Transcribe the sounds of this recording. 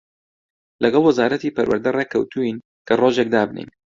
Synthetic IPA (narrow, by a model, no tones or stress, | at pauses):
lɐɡɑlˠwɐzaːɾɐt̪iːpɐɾwɐ̰ɾd̪ɐrekʰːɐwt̪ʰuin | kʰɐroːʒek̚d̪aːbnḛjn